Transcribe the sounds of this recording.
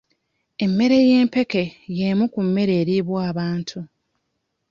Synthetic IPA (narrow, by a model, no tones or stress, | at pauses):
e̞mːe̞ɾe̞je̞ːmpe̞ke̞je̞mukumːe̞ɾe̞ːɾiβwaːβaːntʰu